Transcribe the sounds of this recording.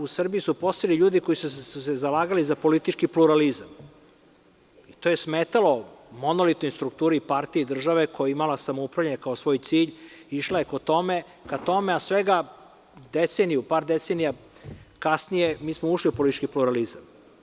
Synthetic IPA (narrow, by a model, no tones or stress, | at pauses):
usr̩bijisupo̞st̪iliʎuːd̪iko̞jisuusezalaːɡalizapo̞lit̪it͡ʃkipluɾalizam | it̪oːjesmeːt̪alo̞mo̞nolit̪nojst̪ɾuk̚t̪uːɾipaɾt̪ijed̪r̩ʒaʋekʰo̞jaimalasamoupɾavlʎeaɲekaosʋo̞ːjt̪siːʎiʃlajekot̪o̞me | kat̪o̞measʋeɡa | d̪et̪senijupaːɾd̪et̪senija | kasnije̞miːsmouʃliupo̞lit̪it͡ʃkipluɾalizam